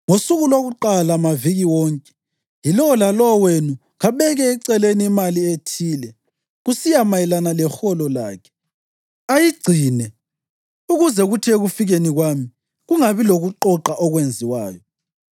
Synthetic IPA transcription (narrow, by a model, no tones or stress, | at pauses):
ŋosuɣuloɣuǃalamaviɣiwɔŋkʼɛ̥ | jilɔlalɔwenu | ɣaβɛɣɛːǀɛleniːmalietʰiːlɛ | ɣusijamajɛlanalɛxɔlɔla̰ːkʰɛ̥ | ajiɡ͡ǀʱiːnɛ | uɣuzɛɣutʰieɣufiɣeniɣwami | ɣuŋaβiloɣuǃɔǃaʔɔɣwend͡zʱiwa̰ːjɔ